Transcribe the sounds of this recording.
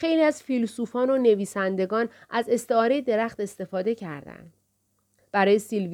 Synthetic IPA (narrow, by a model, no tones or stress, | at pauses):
xe̞jliæzfilsuːfɒːnone̞viːsænd̪e̞ɡɒːnʔæze̞st̪e̞ɒːɾe̞jed̪e̞ɾæxt̪e̞st̪e̞fɒːd̪e̞cʰæɾd̪æ̰nd̪ | b̥æɾɒːje̞silv